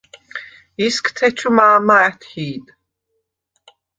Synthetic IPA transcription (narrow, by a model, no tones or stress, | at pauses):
iskʰt̪ʰɛt͡ʃʰumaːmaɛt̪ʰhiːd̪